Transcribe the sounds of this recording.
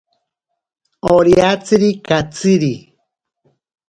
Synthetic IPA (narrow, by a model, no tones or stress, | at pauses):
oɾjat͡sɨɾikat͡sɨɾi